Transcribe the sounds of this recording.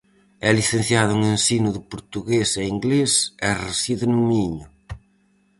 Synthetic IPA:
ɛliθenθjaðʊuŋensinʊðɪpoɾt̪uɣeseiŋɡlesɛresiðɪnumiɲʊ

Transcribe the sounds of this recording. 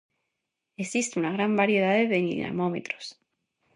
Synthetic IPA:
esist̪eunaɣ̞ɾambaɾje̞ðaðeβenḭna̰momḛt̪ɾo̥s

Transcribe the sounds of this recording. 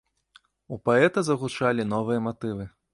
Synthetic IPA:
upaɛt̪ɐzɐɣut͡ʂalʲinɔvɨjɐmat̪ɨvɨ

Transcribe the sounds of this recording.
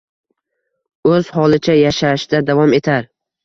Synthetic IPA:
ɵz̥hɒlˠɪt͡ʃʰajaʃaʃd̪ad̪avɒme̞t̪ʰaɾ

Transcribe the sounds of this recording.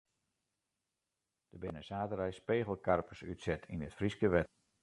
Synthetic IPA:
d̥əbɪnəsaːtəɾɛjspeːɣəl̩ˠkarpəsy̰tsɛtʰinətfriskəʋɛt

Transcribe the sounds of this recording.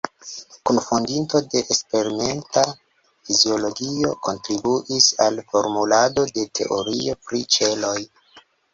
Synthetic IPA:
kunfondinto̞de̞ʔespe̞ɾime̞nta | fizio̞lo̞ɡio̞̰ko̞ntɾibuʔisalfo̞ɾmulado̞de̞tʰe̞̰ʔo̞ɾio̞pɾit͡ʃe̞lo̞j

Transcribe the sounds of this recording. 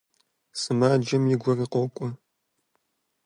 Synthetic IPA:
sɨmaːd͡ʒɐmjɪɡʷɔriqɔkʷʼɔ

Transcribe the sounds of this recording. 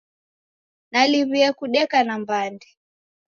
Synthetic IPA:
naliβiakuɗɛkanambandi

